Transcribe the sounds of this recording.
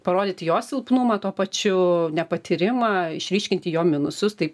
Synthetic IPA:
pɐɾoːd̪ʲɪːt̪ʲjoːsʲɪlˠpnʊmɐːt̪oːpɐt͡ʃʲʊnʲɛpɐt̪ʲʰɪɾʲɪmɑːɪʃʲɾʲiːʃʲkʲɪnʲt̪ʲɪjoːmʲɪnʊsʊst̪ɐɪ

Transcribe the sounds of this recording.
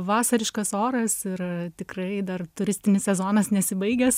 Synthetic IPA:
ʋɑːsɐɾʲɪʃkɐsoːɾɐsɪrt̪ʲɪkrɐɪd̪ɐrt̪ʊɾʲɪsʲt̪ʲɪnʲɪssʲɛzoːnɐsnʲɛsʲɪbɐɪɡʲɛs

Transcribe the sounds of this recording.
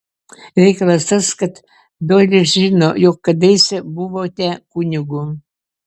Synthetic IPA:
ɾʲɛɪkɐlˠɐst̪ɐskɐt̪ | d̪ojlʲɪʒʲiːnojɔkːɐd̪ɐɪsʲɛbuʋoːt̪ʲɛkunʲɪɡʊ

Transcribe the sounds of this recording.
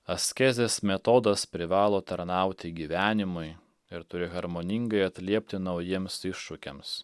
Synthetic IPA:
ɐsʲkʲɛzʲesmʲɛt̪oːd̪ɐspʲɾʲɪʋɑːlˠoːt̪ɐɾnɑˑʊt̪ʲɪɡʲiːʋʲæːnʲɪmʊɪ | ɪɾt̪ʊɾʲɪɣɐɾmonʲɪŋɡɐɪɐt̪ʲlʲiɛpʲt̪ʲɪnɐʊjiɛmsɪʃːʊkʲḛms

